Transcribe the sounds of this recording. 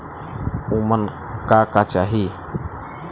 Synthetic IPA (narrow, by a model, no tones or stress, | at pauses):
umən | kakat͡ʃaɦi